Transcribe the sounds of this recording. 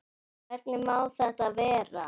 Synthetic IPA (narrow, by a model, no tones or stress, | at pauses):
vɛɾt̪nɪmaːwθɛht̪avɛːɾa̰